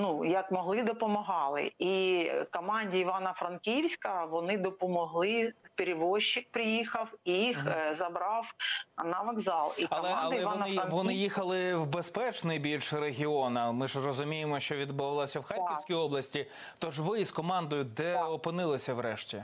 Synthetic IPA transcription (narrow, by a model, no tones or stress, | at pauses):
nujɐkmɔɦlˠɪd̪ɔpɔmɔɦɑlˠɪ̰ikɔmɑnʲdʲiiʋɑnɐfɾɐnkʲiwsʲkɐʋɔnɪd̪ɔpɔmɔɦlˠɪpeɾʲɪʋɔʃːɪk̚pɾɪjixɐwijixzɐbɾɑwnɐʋɐɡzɑlˠiɐlˠɛɐlɛɔnɪʋɔnɪjixɐlˠɪwbespɛt͡ʃnɔjbʲilʲʃɾeɦʲiɔnɐmɪʒrɔzʊmʲijemɔʃt͡ʃɔʋʲid̪̚bʊʋɐlˠɔsʲɐwxɑkiwsʲkʲijɔblˠɐsʲtʲi | t̪ɔʒʋɪskɔmɑnd̪ɔjʊd̪ɛɔpɪnɪlˠɪsʲɐʋɾɛʃtʲi